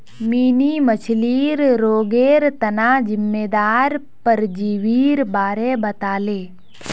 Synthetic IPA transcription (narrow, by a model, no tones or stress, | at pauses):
miːnimət͡ʃʰliːɾɾoːɡeːɾt̪ənaːd͡ʒɪmːeːd̪aːɾ | pəɾd͡ʒiːʋiːɾbaːɾebət̪aːleː